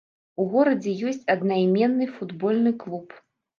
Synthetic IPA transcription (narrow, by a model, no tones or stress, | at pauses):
uɣɔɾɐd͡zʲɛjɔsʲt͡sʲɐd̪najmʲɛnːɨfud̪bɔlʲnɨklˠup